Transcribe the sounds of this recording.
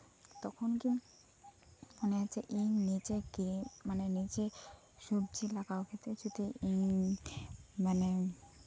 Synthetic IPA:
t̪ɔkʰonki | moneat͡ɕʰeʔiŋnit͡ɕekimanenit͡ɕe | ʃubt͡ɕilakaokʰet̪ɾet͡ɕut̪ʰiiŋ | mane

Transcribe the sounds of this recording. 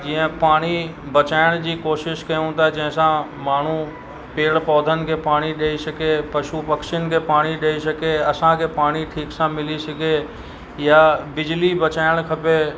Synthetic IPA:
d͡ʑiːə̃paːɽ̃ibɐt͡ɕaːɪɽ̃d͡ʑiːkoːʃɪʃkɐjũt̪aɛd͡ʑɐ̃ɦɪ̃sãmaːɳ̤u | peːɽpɔːd̪ʱənɪ̆kʰeːpaːɽ̃iɗɐisɐkepɐʃupɐkʃɪənɪ̆kʰeːpaːɽ̃iɗɐisɐkeɐsãkʰeːpaːɽ̃iʈʰiːksãmɪlisɐɡʱe | jabɪd͡ʑlibɐt͡ɕaːɪɽ̃kʰɐpe

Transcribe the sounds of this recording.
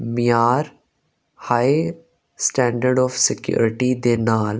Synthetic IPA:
mɪjaːɾ | haːje | sʈɛ̃ːɳɖəɾɖɔːfsɪkjṵːɾɪʈid̪eːnaːl

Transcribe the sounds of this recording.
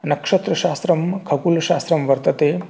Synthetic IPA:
nɐkʂɐt̪ɾɐʃaːst̪ɾɐmkʰɐkulɐʃaːst̪ɾɐmʋɐɾt̪ɐt̪eː

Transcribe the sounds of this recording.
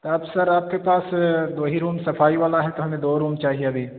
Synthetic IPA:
t̪oɐbsɐɾaːp̚kepaːsd̪oːɦiɾuːmsɐfʰaːiʋaːlaɦɛt̪oɦɐmẽd̪oːɾuːmt͡ʃaːɦieɐbʱiː

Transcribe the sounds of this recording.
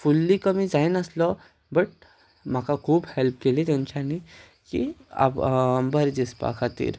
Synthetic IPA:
fulːikəmiːd͡zajnəslɔ | bəʈ̚ | m̤akakʰuːbhelp̚kelet̪jaɲt͡ɕani | kḭa̰pmbəɾd͡ʑispa̰kʰat̪ḭːɾ

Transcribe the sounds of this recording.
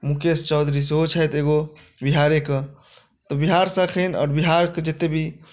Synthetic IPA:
mukest͡ʃɔʊd̪ʱɾis̬ɦot͡ʃʰəjt̪eɡo | biɦaɾeke | t̪ɔbiɦaɾsəkʰɛnɔ̰ːɾbiɦaɾked͡ʒet̪ebʱi

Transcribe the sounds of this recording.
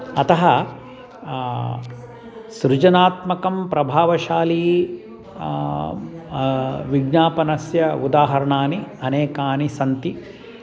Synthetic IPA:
ɐt̪ɐɦɐ | sɾɪd͡ʒɐnaːt̪mɐkɐmpɾɐbʱaːʋɐʃaːliː | ʋiɡnaːpɐnɐsjɐud̪aːɦɐɾɐɳaːniɐneːkaːnisɐnt̪i

